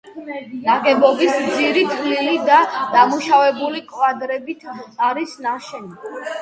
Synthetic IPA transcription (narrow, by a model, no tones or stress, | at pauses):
naɡʼɛbɔbismd̪ziɾit̪ʰlilid̪ad̪̥amuʃavɛbulikʼwad̪ɾɛbit̪ʰaɾisnaʃɛni